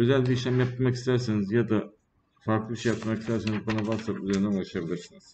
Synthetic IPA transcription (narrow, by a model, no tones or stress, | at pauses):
ø̞zælʲbiːʃ̬lʲæmjap̚t̪ɾmakist̪ʰæɾsenizjad̪a | faɾklˠɯbiʃejapt̪makist̪ʰæɾsenizbanavaɾsabuzeɾind̪ænaɾʃabilʲasɯniz